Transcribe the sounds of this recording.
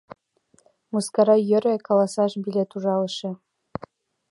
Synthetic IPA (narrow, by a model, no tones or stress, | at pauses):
muskɑɾɑjø̆ɾʲĕkɑlˠɑsɑʃbilʲet̪uʒɑlˠɤʃĕ